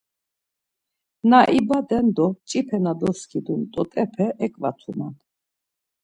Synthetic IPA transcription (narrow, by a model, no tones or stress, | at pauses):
naʔibad̪ɛnd̪ɔt͡ʃʼipʰɛnad̪ɔskʰid̪unt̪ʼɔt̪ʼɛpʰɛʔɛkʼva̰t̪ʰunan